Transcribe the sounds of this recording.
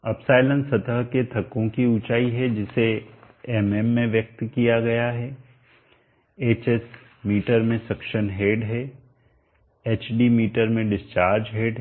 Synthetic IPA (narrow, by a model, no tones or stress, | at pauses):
ɐbsaːɪlə̃nsɐt̪əɦket̪ʰɐkːõkiʊt͡ʃaːiɦɛd͡ʒɪse | ɛmɛmːẽʋjɐk̚t̪kijaɡɐjaɦɛː | eːt͡ʃɛs | miːʈəɾmẽsɐkʃənɦeːɖɦɛ | eːt͡ʃɖimiːʈəɾmẽɖɪst͡ʃaːɾd͡ʒɦeːɖ